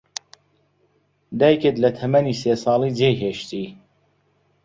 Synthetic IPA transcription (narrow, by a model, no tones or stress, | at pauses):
d̪æjket̪lɐt̪ʰɐmæniːseːsɑːlˠiːd͡ʒejɦeʃt̪iː